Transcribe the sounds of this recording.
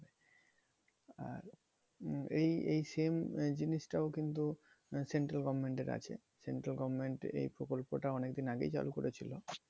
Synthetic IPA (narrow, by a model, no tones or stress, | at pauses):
be | a̰ɾ | ejejsemd͡ʑiniʃʈaokint̪u | seɳʈɾalɡɔbmeɳʈeɾa̰t͡ɕʰḛ | seɳʈɾalɡɔbmeɳʈḛjpɾokolpoʈaɔnekd̪inaɡḛjt͡ɕa̰lukoɾʔet͡ɕʰilo